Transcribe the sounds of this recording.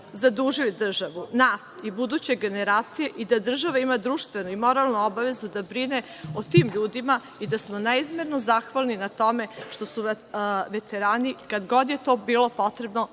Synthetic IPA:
zad̪uʒilid̪r̩ʒaʋunaːsibud̪uːt͡ɕe̞ɡe̞neɾaːt̪sije̞ʔid̪ad̪r̩ʒaʋaimad̪ɾuːʃt̪ʋe̞nuimo̞ɾalˠnuobaʋe̞zud̪abɾine | ot̪iːmʎuːd̪ima | id̪asmonaizmeɾnozaxʋalninat̪o̞meʃt̪o̞su | ʋet̪eɾaːnikad̪ɡo̞d̪jet̪o̞biːlo̞po̞t̪ɾe̞bno

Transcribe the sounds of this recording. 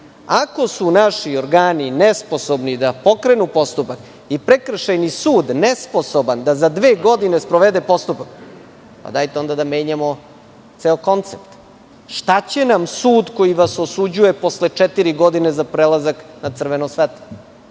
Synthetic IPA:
ako̞sunaʃioɾɡaːninesposobnid̪apo̞kɾenupo̞st̪upak | ipɾekr̩ʃajnisuːd̪nespo̞soband̪azad̪ʋeːɡo̞d̪ine̞spɾoʋed̪epo̞st̪upak | pa̰d̪aːjt̪eo̞nd̪ad̪ame̞ːɲamo̞ | t̪seoko̞nt̪sept̪ | ʃt̪at͡ɕe̞namsuːd̪ko̞jiʋasosud͡ʑuje̞po̞slet͡ʂɛt̪iɾiɡo̞d̪inezapɾelazaknat̪sr̩ʋenosʋet̪o

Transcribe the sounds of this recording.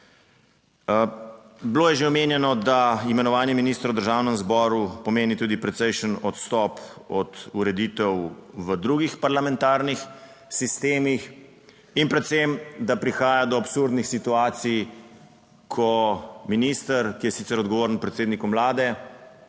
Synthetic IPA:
bloːjɛʒeɔmeːnjɛnɔd̪aimɛnɔʋaːnjɛminiːst̪ɾwd̪əɾʒaːwnəmzbɔːɾupɔmeːnit̪uːd̪ipɾɛt̪sɛjʃənɔt̪st̪ɔpɔt̪uɾɛd̪iːt̪ɛwʋəd̪ɾuɡixpaɾlamɛ̃nt̪aːɾnix | sist̪eːmix | inpɾɛt̪semd̪apɾixaːjad̪ɔapsuɾd̪nixsit̪uaːt̪sij | kʰɔminist̪əɾkijɛsit̪sɛɾɔd̪ɡɔʋoːɾənpɾɛt̪seːd̪nikɔmlaːd̪ɛ

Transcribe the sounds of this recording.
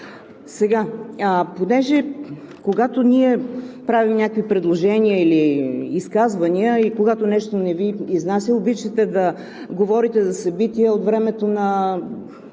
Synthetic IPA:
sɛɡaəponɛʒɛ | koɡat̪oniɛpɾavimnʲakkvipɾɛd̪lˠoʒɛniəiliːskazvɐniəikoɡat̪onɛʃt̪onɛviːznasʲəobit͡ʃɛt̪ɛd̪ɐ | ɡovɔɾit̪ɛzɐsɐbit̪iəot̪vɾɛmɛt̪onɐ

